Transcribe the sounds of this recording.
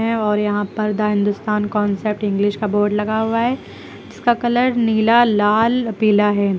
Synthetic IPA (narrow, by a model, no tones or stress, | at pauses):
ɛ̃ɔːɾjɐɦãpɐɾd̪aɦɪ̃nd̪ʊst̪aːnkɔ̃ːnsep̚ʈɪ̃ŋɡlɪʃkaboːɾɖlɐɡaɦʊaɦɛː | d͡ʒɪskakɐləɾniːlalaːlpiːlaɦɛː